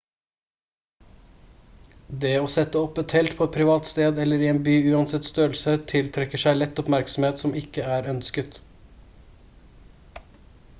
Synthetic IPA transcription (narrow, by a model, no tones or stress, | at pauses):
d̪eːoːsɛt̪əɔpət̪hɛlt̪pʰoːɛt̪̚pʰɾɪʋɑːt̪st̪eːd̪ɛləɾiːeːnbyːʉːɑnsɛt̪st̪øːl̩sət̪ʰɪlt̪ʰɾɛkəʃæɪlɛt̪ɔpmæɾksɔm̩heːt̪sɔmɪkəæːɾœnskət̪